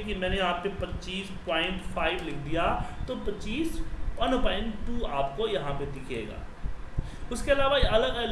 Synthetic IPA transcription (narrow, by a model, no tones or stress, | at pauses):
kimɛ̃ːnejɐɦãpepɐtːt͡ʃiːspãːɪ̃ɳʈpʰaːɪʈlɪkʰd̪ijaːt̪opɐtːʃiːspɐnpaːɪ̃ɳʈʈuːaːpkojɐɦãped̪ɪkʰḛːɡa̰ː | ʊskeɐlaːʋaʔɐləɡəl